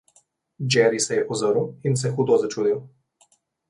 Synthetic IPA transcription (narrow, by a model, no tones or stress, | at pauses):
d͡ʒɛɾisɛjɛpɔzəɾuins̬ɛxuːd̪ɔzat͡ʃuːd̪iw